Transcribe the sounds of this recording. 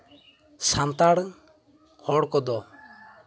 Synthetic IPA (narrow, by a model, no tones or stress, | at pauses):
sant̪aɽ | kʰɔɽkɔd̪ɔ